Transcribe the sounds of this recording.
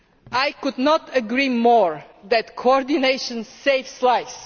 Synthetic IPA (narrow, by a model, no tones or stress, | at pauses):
ajkʊd̪nɔtəɡɾimɔɹ | ðæt̪kʰoɔɾd̪ineɪʃə̃nseɪvslaɪs